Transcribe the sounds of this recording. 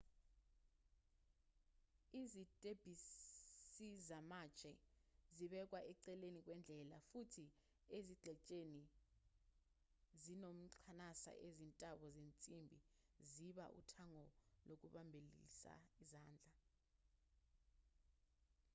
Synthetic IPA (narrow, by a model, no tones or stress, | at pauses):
izitʼeb̥ʱissizamat͡ʃʼɛziɓɛk̬ʼwaʔɛǀɛlenik̬ʼwɛnd͡ɮʱɛlafutʰi | eziɡ͡ǃʱɛt͡ʃʼeni | zinom̩ǃʰanasa̰ʔezintʼaɓɔzent͡sʼimbʱḭ | ziɓa̰ʔṵtʰaŋɔlok̬uɓambʱelḭsa̰izaːnd͡ɮʱa